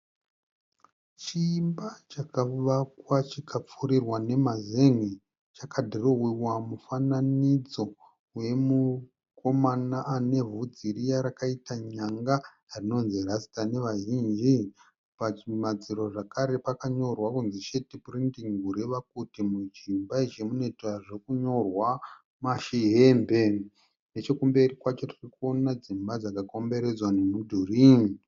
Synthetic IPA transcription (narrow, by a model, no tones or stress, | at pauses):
t͡ʃiːmbat͡ʃakaʋakwat͡ʃikap͡fuɾirwane̞mazeŋe | t͡ʃakʰadʱiroɦiwamufananid͡zo̞ | we̞mu | ko̞manaʔane̞vud͡ziɾijaɾakaitaɲaŋɡa | rino̞nzirasi̥tane̞ʋaʒind͡ʒi | paimad͡ziɾoʐakaɾe̞pakaɲo̞rwakunzit͡ʃe̞tipurintiŋɡʱuɾeʋakutimud͡ʒimbait͡ʃe̞mune̞taʐe̞kuɲo̞rwa | maʃiɦeːmbe̞ | ne̞t͡ʃekumbe̞rikwat͡ʃo̞tirikuo̞nad͡zimbad͡zakako̞mbe̞ɾe̞d͡zwanemudʱurini